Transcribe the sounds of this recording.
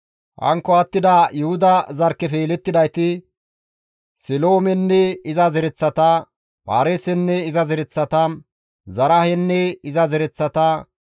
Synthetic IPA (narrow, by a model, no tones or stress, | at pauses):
hɐ̰ŋkːɔɐt̪ːɪd̪ɐjʊhʊd̪ɐzɐɾkːɛfelɛt̪ːɪd̪ɐjt̪ɪ | sɪloːmɛnːɛɪzɐzɛɾɛt͡sːɐt̪ɐ | pa̰ːɾeːsɛnːɛɪzɐzɛɾɛt͡sːɐt̪ɐ | zɐɾɐhɛnːɛɪzɐzɛɾɛt͡sːɐt̪ɐ